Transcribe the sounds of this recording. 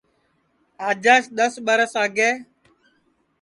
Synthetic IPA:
aːd͡ʒaːʃɗ̪əsɓəɾəsaːɡeː

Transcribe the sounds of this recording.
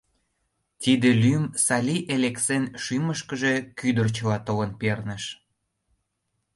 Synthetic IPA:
t̪id̪elymsɑlʲiʔeleksenʃyməʃkəʒe̽kyd̪ərt͡ɕəlɑt̪olənpernəʃ

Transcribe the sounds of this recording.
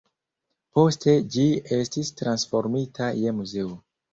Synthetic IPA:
po̞ste̞d͡ʒie̞stistɾansfo̞ɾmitʰaje̞muze̞o

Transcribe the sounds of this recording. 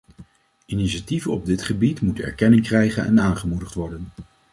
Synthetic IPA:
iniʃativənɔb̚dɪtχəbitmutənɛ̰ɹkɛnɪŋkrɛjχənɛ̰naːnχəmudəχtʋɔɹdən

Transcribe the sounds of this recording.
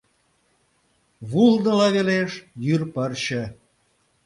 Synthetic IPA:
βulnə̆lɑβeleʃjyrpərt͡ɕə̆

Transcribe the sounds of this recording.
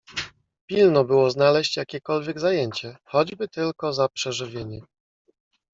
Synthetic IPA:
pʲilnɔbɘwɔznalɛɕt͡ɕjakʲɛkɔlvʲjɛɡzajeɲt͡ɕɛxɔd͡ʑbɘt̪ɘlkɔzapʂɛʐɘvʲjeɲɛ

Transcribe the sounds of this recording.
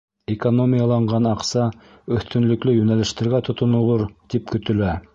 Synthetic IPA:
ekonomʲijɑlˠɑɴɢɑnɑqsɑ | ɵ̆θt̪ɵ̆nlɵ̆klɵjɵnælɘ̆ʃt̪ɘ̆ɾɡæt̪ŏt̪ŏnɤ̆lˠɤɾt̪ipkɵ̆t̪ɵ̆læ

